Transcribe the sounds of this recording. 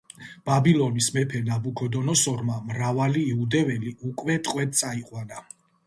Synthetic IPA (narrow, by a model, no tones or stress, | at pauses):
b̥abilɔnismɛpʰɛnabukʰɔd̪ɔnɔsɔɾmamɾavaliːud̪ɛvɛliukʼwɛt̪ʼqʼwɛt̪̚tsʼaiqʼwana